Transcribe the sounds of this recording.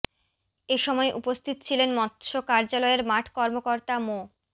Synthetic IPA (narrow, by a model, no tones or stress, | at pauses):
eʃɔmɔeʔupost̪ʰit̪t͡ɕʰilenmɔt̪ʃokaɾd͡ʑalɔeɾmaʈʰkɔɾmokoɾt̪amo